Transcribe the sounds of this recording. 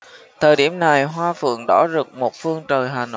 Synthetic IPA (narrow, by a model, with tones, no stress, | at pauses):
t̪ʰəː˨˩jɗi˧˩əmna˨˩jɦwaː˧fɨ̰˧˨əŋɗɔ̰˧˥zɨ˨˩k̚mo˨˩t̚fɨ˧əŋt͡ɕəː˨˩jɦaː˨˩no̰˧˨